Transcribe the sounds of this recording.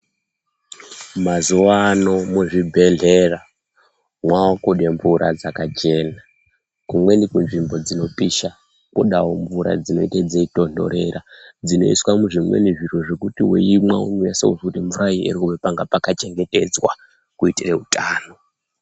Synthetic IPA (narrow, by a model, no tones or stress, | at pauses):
mazuwano̞muʐibʱe̞ɮera | mwawakuɗeɱvuɾa̰d͡zakat͡ʃe̞na | kumwe̞nikunʐimbo̞d͡zino̞piʃa | kuɗawoɱvuɾa̰d͡zino̞̰itad͡zeito̞ndo̞̰ɾe̞ɾʔad͡zino̞̰iswamuʐimwe̞̰niʐiroʐekutiwḛimwaunuja̰sauʐkuteɱvuɾaiḛɾikuβepaŋɡapakat͡ʃe̞ŋɡe̞te̞d͡zwa̰ | kuitireutaːno̞